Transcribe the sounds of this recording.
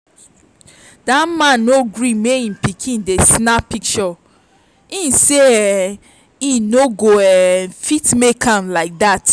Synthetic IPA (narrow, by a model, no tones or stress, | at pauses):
damãnːoɡɹimeĩnpikʰĩndesnapik̚t͡ʃɔ | ĩnseɛ | ĩnoɡoɛfitmekʰãnlaɪk̚dat